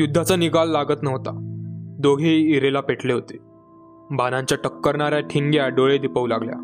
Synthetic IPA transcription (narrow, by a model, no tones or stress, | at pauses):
jud̪ʱːat͡səniɡalːaɡət̪nəʋt̪ad̪oɡʱeːɾelapeʈʰleɦot̪e̥ | bʱanãɲt͡ɕjaʈəkːəɾɳaɾjaʈʰiŋɡjaɖoɭed̪ipəulaɡlja̰